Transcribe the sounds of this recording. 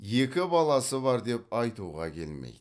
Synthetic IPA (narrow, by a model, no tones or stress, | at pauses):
je̞kʲɪbɑlˠɑsəbɑɾd̪e̞p̚ɑjt̪uʁɑ̰kʲʰe̞̰lmḛjd̪